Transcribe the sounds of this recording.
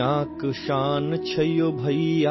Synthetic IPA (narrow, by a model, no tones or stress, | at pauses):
ãːkʃaːnt͡ʃʰɐjoːbʱɐia